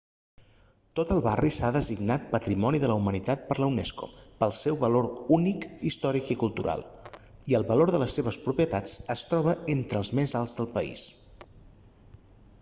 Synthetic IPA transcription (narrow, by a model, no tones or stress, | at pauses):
t̪ot̪əlˠβarisaðəziɡnat̪̚pət̪ɾimɔniðələwmənit̪at̪̚pəɾləunɛsko̰pəlˠsɛwβəloɾunikist̪ɔɾikikulˠt̪uɾʔa̰lˠ | iəlˠβəloɾðələsːeβ̞əspɾupiət̪at͡səst̪ɾɔβ̞əent̪ɾəːlˠzmezalˠzðəlˠpəḭs